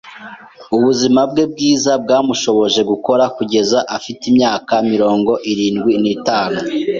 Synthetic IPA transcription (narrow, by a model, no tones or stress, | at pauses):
uβuzimabɡe̞b̚ɡiːzab̚ɡaːmuʃo̞βo̞ʒe̞ɡuko̞ɾakuɟe̞zaʔafitimɲaːkamiɾo̞ːŋɡo̞ʔiɾiːnɡwinitaːnu